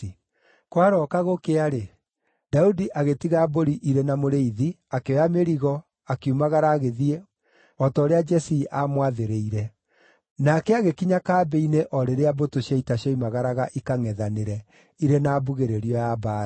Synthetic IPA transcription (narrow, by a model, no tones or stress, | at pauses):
kwaɾɔkaɣokeaɾe | d̥audiʔaɣetiɣaːboɾiʔiɾenamoɾeiði | akeɔjameɾiɣɔ | akiumaɣaɾaːɣeðie | ɔtɔːɾead͡ʒɛsiʔamwaðeɾeiɾɛ | nakɛaɣekiɲakaːbeineʔɔɾeɾeabotoɕjaitaɕaimaɣaɾaɣaʔikaŋɛðaneɾɛ | iɾenaːbuɣeɾeɾiɔjaba